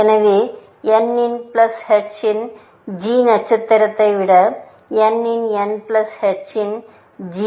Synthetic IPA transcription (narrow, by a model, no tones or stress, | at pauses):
ɐnɐʋe | jenːinplɐshet͡ʃin | d͡ʑiːnɐt͡ʃʰːɐt̪ːɐɾɐt̪ːɐjʋiɽɐ | jenːinjenplɐshet͡ʃin | d͡ʑi